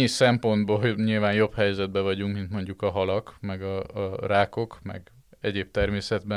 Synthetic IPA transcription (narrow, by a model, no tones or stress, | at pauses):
isɛmpo̞nd̪boːɲilvaːnjo̞phɛjzɛd̪̚bɛvɒɟuŋkmint̪mo̞ɲɟukɒɦɒlɒkmɛɡɒraːko̞kmɛ̰ɡ | ɛɟeːp̚t̪ɛrmeːsɛd̪bɛ